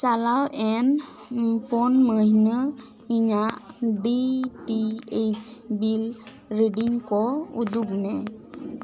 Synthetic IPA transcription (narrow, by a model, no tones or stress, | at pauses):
t͡ʃalawʔɛn | pɔnməɦnə | iɲaʔɖiʈiet͡ʃbil | ɾeɖiŋkɔud̪ukmɛ